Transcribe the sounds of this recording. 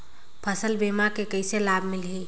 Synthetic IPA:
pʰəsəlbemakekəjselabʱmilɦi

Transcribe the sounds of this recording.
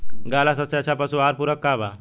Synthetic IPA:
ɡalasəsjat͡ɕapasuaɾpuɾəkːaʋa

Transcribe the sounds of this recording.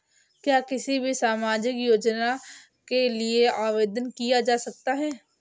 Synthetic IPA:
kjaːkɪsibʱisaːmaːd͡ʒɪkjoːd͡ʒnaː | kelɪeʔaːʋeːd̪ənkijaːd͡ʒaːsək̚t̪aːɦɛː

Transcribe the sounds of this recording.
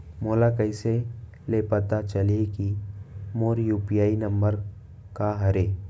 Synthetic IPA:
moːlakəɪse | lepəɾt̪at͡ʃəlekimoːɾjuːpijaːinə̃mbəɾ | kaɦɐɾeː

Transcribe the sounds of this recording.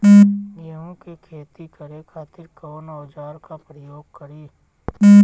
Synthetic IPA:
niõkekʰeːt̪ikəɾekʰaːt̪ɪɾkoːnoːd͡ʒaːɾkapɾəjoːɡkəɾiː

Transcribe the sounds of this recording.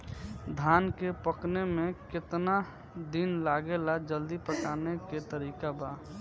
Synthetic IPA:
d̪ʱaːnkepəknemẽkɪt̪na | d̪inlaːɡelad͡ʒəld̪ipəʈaːneket̪əɾiːkabaː

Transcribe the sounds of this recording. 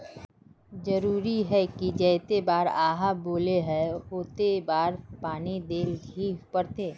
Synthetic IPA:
d͡ʒəɾuːɾiɦɛkid͡ʒɛːt̪ebaːɾaːɦaboːleɦɛɦoːt̪ebaːɾpaːnid̪eːlɡʱipɐɾt̪eː

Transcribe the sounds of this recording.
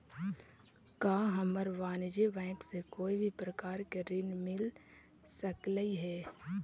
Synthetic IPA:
kaːɦəməɾʋaːnd͡ʒebɛ̃ːksekoːibʱipɾəkaːɾkeɾɪnmɪl | səkləiɦɛː

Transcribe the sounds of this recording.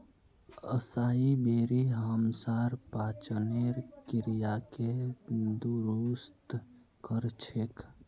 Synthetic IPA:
əsaːibeːɾiɦəmsaɾpaːt͡ʃəneɾkɪɾijaked̪uɾust̪ | kəɾt͡ʃʰek

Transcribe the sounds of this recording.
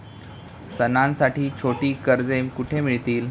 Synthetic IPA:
sənãnsaʈiːt͡ɕʰoʈiːkəɾd͡zemkuʈʰemiɭt̪iːl

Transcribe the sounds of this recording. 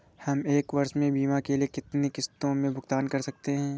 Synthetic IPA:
hɐmeːkʋɐɾʃmẽbiːmakeliekɪt̪nekɪst̪õmẽbʱʊɡt̪aːnkɐɾsɐk̚t̪eɦɛ̃ː

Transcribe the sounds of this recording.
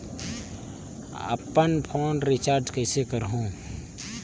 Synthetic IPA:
ə̰pːənpʰoːnɾɪt͡ʃaːɾd͡ʒkɛːsekəɾɦõː

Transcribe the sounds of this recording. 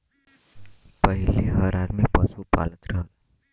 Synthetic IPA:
pəɦileɦəɾad̪mipəsupa̰lət̪ɾəɦəl

